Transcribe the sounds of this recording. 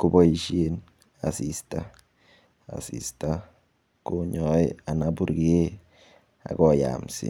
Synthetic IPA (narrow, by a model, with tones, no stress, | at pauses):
ku˦bɔ˦i˨ʃje˦n | a̰˨si˨sta˦ | a̰˨sḭ˨sta | ko˦ɲɔ˨ja˨nabu˦ɾɡe˦ | a̰˨kɔ˨ja̰msḭ˨